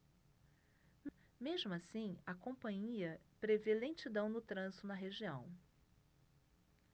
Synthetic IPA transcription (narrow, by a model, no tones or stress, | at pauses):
meʒmʊasĩɐkõpɐ̃ɲiɐpɾevelẽt͡ʃid̪ɐ̃w̃nʊt̪ɾɐ̃sʊnɐɦeʒiɐ̃w̃